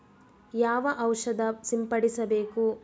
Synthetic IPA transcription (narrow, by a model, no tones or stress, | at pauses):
jaːʋɐʔɐwʂɐd̪ɐsimpɐɽisɐbe̞ːku